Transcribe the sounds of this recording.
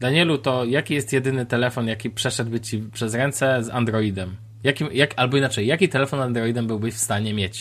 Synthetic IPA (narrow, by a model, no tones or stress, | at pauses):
d̪aɲɛlut̪ɔjakʲijɛst̪jɛd̪ɘnɘt̪ɛlɛfɔnjakʲipʂɛʂɛd̪̚bɘt͡ɕipʂɛzɾɛnt̪sɛza̰nd̪ɾɔid̪ɛm | jakʲimjakʲalbɔinat͡ʂɛjːakʲit̪ɛlɛfɔnand̪ɾɔjid̪ɛmbɘwbɘɕfst̪aɲɛmʲjet͡ɕ